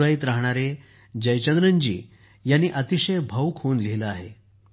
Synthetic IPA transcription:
ɾajiːt̪ɾaɦɳ̃aɾe | d͡ʑəjt͡ɕənd̪ɾəɲd͡ʑḭː | janːiːʔət̪iɕəjbʱəwkʰoːnliɦləaɦe

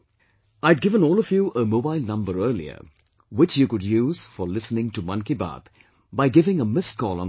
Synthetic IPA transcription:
aɪd̚ɡɪvə̃nɔːlˠɔvjuʔəmoʊbaɪlˠnʌ̃mbəɾɜːlḭə̰ | wɪt͡ʃjukʊdjuːz̥fəlɪsənɪ̃ŋtumʌ̃nkiba̰ːt̪ | baɪɡɪvɪ̃ŋəmɪskʰɔːlˠə̰̃n

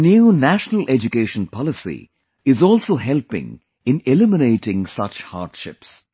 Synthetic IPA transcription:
njuːnæʃnəlʔed͡ʒukeːʃə̃npʰɑlɪsḭ | ɪzɔːlsoːɦɛlpɪ̰̃ŋ | ɪ̃nɪlɪmɪneɪʈɪ̃ŋsʌt͡ʃha̰ːɾɖʃɪ̰ps

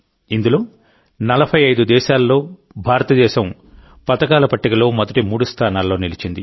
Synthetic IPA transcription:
ind̪ulo̞ː | nɐlɐbʰʱɐjɐjd̪ud̪ɛːʃaːlːo̞ː | bʱaːɾɐt̪ɐd̪ɛːʃɐm | pɐt̪ɐkaːlɐpɐʈːikɐlo̞ːmɐd̪ɐʈimuːɽust̪ʰaːnaːlːo̞ːnilit͡ʃind̪i

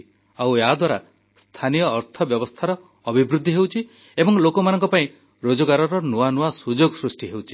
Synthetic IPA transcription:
awead̪waɾa | st̪ʰanijɔːɾt̪ʰɔbjɔbɔst̪ʰaɾɔː | bʱibɾud̪ʱːiɦewt͡ʃʰi | ebɔŋlokɔmanɔŋkɔpaĩ | ɾod͡ʒɔɡaɾɔɾɔnuanuasud͡ʒoɡɔsɾusʈiɦewt͡ʃʰi̥

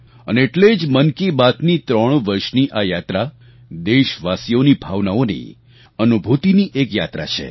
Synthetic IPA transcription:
ə̰neːʈled͡ʒmənkibat̪nit̪ɾəɳ̃ʋəɾʃniʔajat̪ɾa | d̪eʃʋasijonibʱaʋnaonḭ | ənubʱut̪iniʔekja̰t̪ɾa̰t͡ʃʰḛ

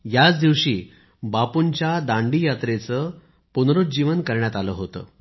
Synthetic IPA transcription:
jat͡sd̪iʋɕiː | bapunt͡ɕjad̪aɳɖijat̪ɾet͡sə | punɾut̪̚d͡ʑiʋənkəɾɳjat̪aləːɦot̪ə̰ː

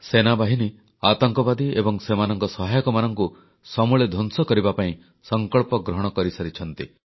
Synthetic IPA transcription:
senabaɦini | at̪ɔŋkɔbad̪iebɔŋsemanɔŋkɔsɔɦajɔkɔmanɔŋku | sɔmuɭed̪ʱonsɔkɔɾibapaĩ | sɔŋkɔɭpɔɡɾɔɦɔɽ̃ɔkɔɾisaɾit͡ʃʰɔnt̪i

